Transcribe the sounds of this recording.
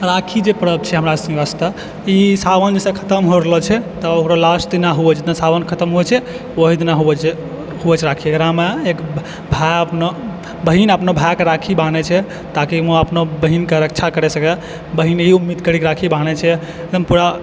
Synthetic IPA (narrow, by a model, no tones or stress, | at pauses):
ɾakʰid͡ʒepəɾəb̚t͡ʃʰɛɦəmɾasə̃ŋəst̪a | isaʋənd͡ʒesẽkʰə̥t̪əmɦoɾələt͡ʃʰɛt̪ɔokɾalasʈd̪inaɦuɛt͡ʃʰed̪ãsaʋənkʰət̪əmɦoɛt͡ʃʰɛ | oɦid̪naɦuɛt͡ʃʰ | huɛt͡ʃɾakʰiəkɾameek | bʱaəpno | bəɦinəpnobʱakeɾakʰibanɛt͡ʃʰɛ | t̪akimoəpnobəɦinkeɾək̚t͡ʃʰakəɾɛsəke | bəɦinɦiumːid̪kəɾikɾakʰibanet͡ʃʰɛ | eəmpuɾa